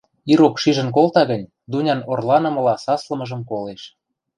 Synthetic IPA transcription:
iɾokʃiʒə̆nk̬olt̪ɑɣənʲ | d̪unʲɑnorlɑnɤ̆mɤ̆lɑsɑslə̆mɤ̆ʒə̆mkoleʃ

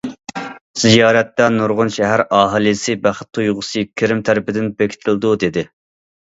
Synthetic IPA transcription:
z̥ijɑːɾɛt̪ːɛnuɾʁʊnʃɛɦæɾɑːɦɨlˠisɨbæχə̥t̪ʰːujʁʊsɨkʲʰɪɾɪmt̪ʰæɾɪpɪd̪ɪnbekʲʰɪ̥t̪ʰɪlˠd̪ud̪ed̪ɪ

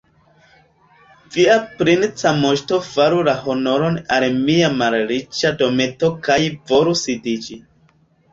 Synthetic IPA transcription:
viapɾint͡samoʃto̞faɾulaho̞no̞ɾonalmiamalɾit͡ʃado̞me̞to̞kajvo̞ɾusidid͡ʒi

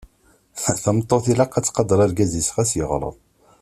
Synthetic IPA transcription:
θəmt̪ˤːoθilæqːæt͡sːqɑd̪ːɑɾˤɑɾɡæzisʁæsjəʁɾˤə̰ðˤ

